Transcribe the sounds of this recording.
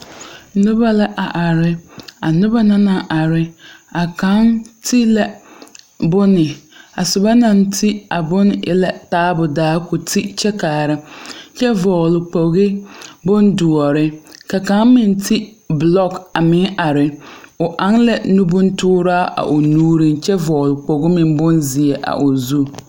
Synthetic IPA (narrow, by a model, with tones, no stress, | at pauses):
nʊ˦ba˦la˦ʔa˨ʔa˨ɾɪ˨a˨nʊ˦ba˦na˦na˨ʔa˨ɾɪ˨a˨ka˦ntʰi˦la˨ | bʊ˦nɪ˨a˨sʊ˨ba˦na˦˨ntʰi˦a˨bʊ˦n˦ʔɪ̰˦la˨taː˦bʊ˨daː˨˦kʊ˨tʰi˦t͡ʃɛ˦kaː˨ɾɪ˦t͡ʃɛ˦vɔː˨lʊ˨k͡po˨ɣɪ˦bʊ˦ndʊ˨ɔ˨ɾɪ˦ka˨ka˨˦ŋmɪ˨ntʰi˦ | blɔ˦ka˨mɪ˨˦ŋʔa˨ɾɪ˨ʊ˨ʔa˦ŋla˨nu˦bʊ˦n˦tʊː˦ɾaː˦ʔa̰˨ʔʊ˨nuː˦ɾi˦ŋt͡ʃɛ˦vɔː˨lʊ˨k͡po˨ɣɪ˦mɪ˨mbʊ˦nzɪ˨e˨ʔa̰˨ʔʊ˨zu˦˨